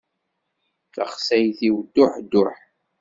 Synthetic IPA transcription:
θə̰χsæjθiwd̪ːʊħd̪ːʊħ

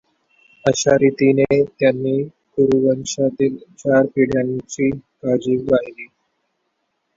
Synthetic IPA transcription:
əɕaɾit̪inet̪janːiː | kuɾuʋənɕat̪iːlt͡ɕaɾpiɽjant͡ɕiːkad͡ʑiːbaɦliː

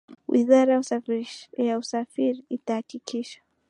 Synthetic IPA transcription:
wʔḭzaɾa | jausafiɾiːtahːkikʰiʃḁ

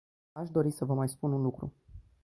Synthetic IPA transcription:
aʃd̪o̞ɾisəvəmajspununlukɾṵ

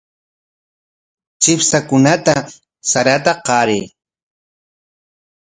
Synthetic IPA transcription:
t͡ʃɪpsakʊnat̪a | saɾat̪aqɑɾɪː

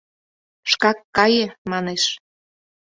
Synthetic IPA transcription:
ʃkɑkːɑjemɑneʃ

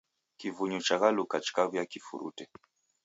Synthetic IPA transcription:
kivuɲut͡ʃaɣalukat͡ʃi̥kavjakifṵɾṵtɛ

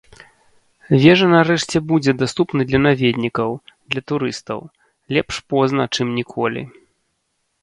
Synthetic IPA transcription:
vʲɛʐɐnaɾɛʂt͡sʲɛbud͡zʲɛd̪ast̪upnɨd̪lʲɐnavʲed̪ʲnʲikɐwd̪lʲɐt̪uɾɨst̪ɐ̰w | lʲɛpʂpɔznɐt͡ʂɨmnʲikʰɔlʲḭ

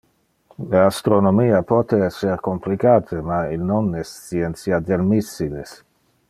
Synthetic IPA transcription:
least̪ɾonomiːapɔt̪eɛsːeɾkomplikaːt̪ʰemailnonɛst͡siɛnt̪sjad̪elmisːiles

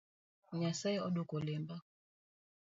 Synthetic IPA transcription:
ɲasaiɔɗokɔlɛmba

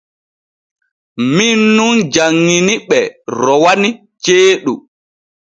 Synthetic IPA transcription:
minːund͡ʒaŋːiniɓɛɾɔwani | t͡ʃeːɗu

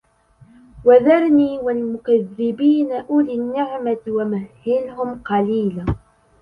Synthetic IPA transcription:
waðɑɾˤniːwalmʊkaðːɪbiːnaʔʊlɪnːɪʕmawamahːɪnhʊmqɑliːla

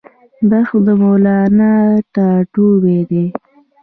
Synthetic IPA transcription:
d̪ɑxod̪əmolɑnaʈaʈuwed̪e

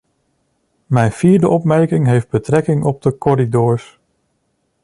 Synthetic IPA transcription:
mɛjnv̥iːɹdəʔɔpmɛɹkɪŋɦejfd̚bətrɛkɪŋʔɔb̚dəkɔɾidɔːɹs

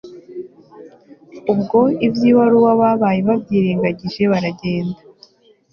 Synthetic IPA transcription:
ubɡo̞ibjiːβaɾuwaβaβajeβabɟiːɾeːŋɡaɟiʒe̞βaɾaɟe̞ːnda

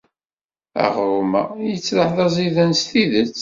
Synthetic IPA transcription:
æ̰ʁɾʊmæ̰jət͡sːləħðɑziðənst̪iðət͡sː

